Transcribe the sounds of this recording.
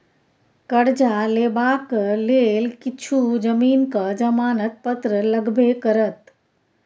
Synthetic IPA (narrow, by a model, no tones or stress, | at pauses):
kəɽd͡ʒaleːbaːkleːlkɪt͡ʃʰud͡ʒəmiːnkad͡ʒəmaːnət̪̚pət̪ɾələɡʱbʱekəɾət̪